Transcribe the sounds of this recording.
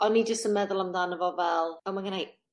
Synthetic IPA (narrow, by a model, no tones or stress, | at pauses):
ɔnːid͡ʒəstənmɛðʊlˠamdanəvɔvɛlˠɛwmanɡənaj